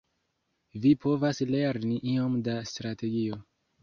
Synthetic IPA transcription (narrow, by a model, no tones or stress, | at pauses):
vipʰo̞vasleɾniʔiomdastɾate̞ɡio̞